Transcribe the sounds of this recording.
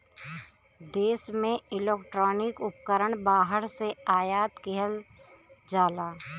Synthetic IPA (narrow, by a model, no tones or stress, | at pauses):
d̪eːsmẽɪleːkʈɾɔːnɪkʊp̚kəɾəɳ̃baːɦəɾseaːjaːt̪keɦəl | d͡ʒaːlaː